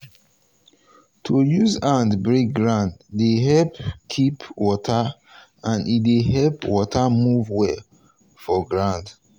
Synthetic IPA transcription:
tʰujuzãndbɹek̚ɡɹãnddeɦɛlpkʰipwɔtʰa | ãnideɦɛlpwɔtʰamuvwɛ | fɔɡɹãnd

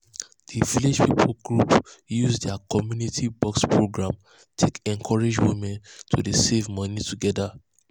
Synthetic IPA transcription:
d̥iviled͡ʒpipʰolɡɹupjuzdɛakʰɔmjunitʰibɔkspʰɹoɡɹãm | tʰekɛ̃ŋkʰɔɹed͡ʒwimɛ̃ntʰudesevmɔnituɡɛda

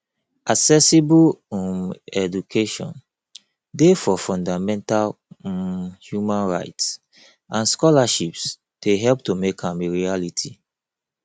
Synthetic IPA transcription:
ʔaksɛsibumɛdukʰeʃɔ̰̃n | defɔfɔ̃ndamɛ̃ntal | hjumãnɹa̰ɪts | ãnskɔlaʃips | d̥eɦɛlp̚tomekãmeɹialitʰi

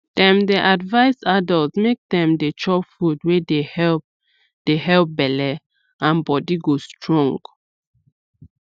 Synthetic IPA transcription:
d̥ɛ̃mdeʔadvaɪsadɔltmek̚dɛ̃mdet͡ʃɔpfudwedehɛlp̚ | d̥eɦɛlp̚bɛlɛ | ãnbɔdiɡostɹɔ̃ŋɡ

